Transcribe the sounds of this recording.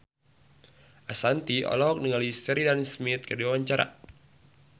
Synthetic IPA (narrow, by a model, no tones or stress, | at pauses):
ʔasant̪iɔ̰lɔɔk̚niŋalisɛɾidansmit̪̚kədiwawaɲt͡ʃaɾa̰